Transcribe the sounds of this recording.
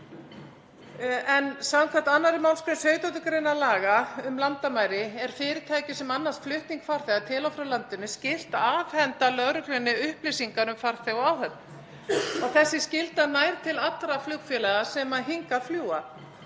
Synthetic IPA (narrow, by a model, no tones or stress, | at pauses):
ɛnsawkʰvaht̪anːaɾɪmawnskɾɪnsœːɥt̪at̪ʏkɾejnːalaːɣaʏmlant̪amaːjɾɪɛɾ̥fɪːɾɪt̪ʰaːjcʏsɛmanːast̪flʏht̪niŋkfaɾ̥θɛɣat̪ʰɪlɔwfɾawlant̪ʏnɪscɪl̥t̪aːvhɛnt̪alœɣɾʏklœnːɪʏhplɪsiŋkaɾʏmfaɾ̥θɛɣɔaːwɦœt̪̚n | ɔɣθɛsːɪscɪlt̪anaːjɾt̪ʰɪlat̪ːɾaflʏkfjɛlɛɣasɛmaɦiŋkafljuːa